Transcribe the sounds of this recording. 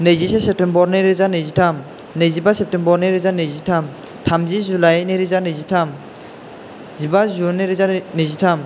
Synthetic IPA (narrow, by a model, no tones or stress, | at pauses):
nɯjzisɛsɛp̚tembɔɾnɯɾizanɯjzitʰam | nɯjzibasep̚tembɔɾnɯɾizanɯjzitʰam | tʰamzizulajniɾizanɯjzitʰam | zibazunɯɾizanɯzitʰam